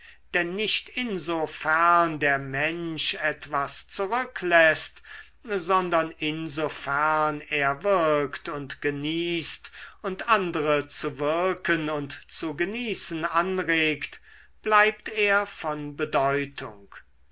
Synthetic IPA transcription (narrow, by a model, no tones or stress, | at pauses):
d̥ɛnːɪʃtɪnzofæɐndeːɐmɛnʃɛtv̥ast͡suʁʏklɛst | zɔndɐnɪnzofɛʁneːɐvɪʁktʊntɡ̥əniːstʊntʔandəʁət͡suvɪɐkənʊntt͡suɡəniːsənanʁeːkt | b̥laɪp̚t̪eːɐfɔnbədɔʏtʰʊ̰ŋk